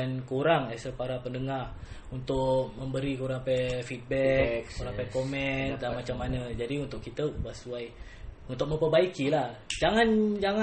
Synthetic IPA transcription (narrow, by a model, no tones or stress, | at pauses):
ankuɾaŋasəpaɾapəndəŋarunt̪ʊʔ̚məmbəɾikuɾaŋapɛfit̪̚bɛkkuɾaŋpɛkomɛndanmat͡ʃamːanəd͡ʒadiunt̪ʊʔkit̪əwasuaj | unt̪ʊk̚məmpəbaikilahd͡ʒaŋand͡ʒaŋa